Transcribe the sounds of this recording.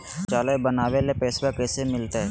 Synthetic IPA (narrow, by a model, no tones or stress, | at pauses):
t͡ʃaːlebənaːwelepɛːsbekɛːsemɪlt̪eɦɛ